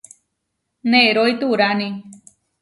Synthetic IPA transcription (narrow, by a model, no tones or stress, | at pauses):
neʔɾoit̪uɾani